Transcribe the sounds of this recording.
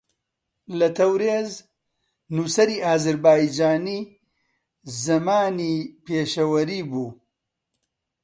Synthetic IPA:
lɐt̪ʰɐwɾeːz | nuːsɐɾiːaːzɨɾbaːid͡ʒaːniː | zɐmaːnipeːʃɐwɐɾiːbuː

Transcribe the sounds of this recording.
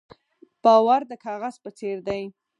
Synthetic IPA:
b̥ɑwaɾd̪əkʰɑɣaz̥pət͡seɾd̪aj

